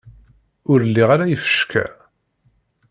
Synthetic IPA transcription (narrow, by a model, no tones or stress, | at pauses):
ʊɾəlːiʁaɾajəfə̥ʃkʰæ̰